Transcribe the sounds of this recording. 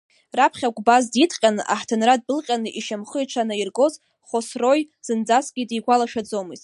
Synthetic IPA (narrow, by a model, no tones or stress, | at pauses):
rapʰχʲaɡʷbazditʰqʲʼanɨʔa̰ħtʰɨnrad̚bɨlqʲʼanɨʔiʃamχəiʈ͡ʂʰanɨirɡo̞z | χosro̞jz̥ɨnd͡zasɡʲidiɡʷalaʃᶣad͡zo̞mɨzʼ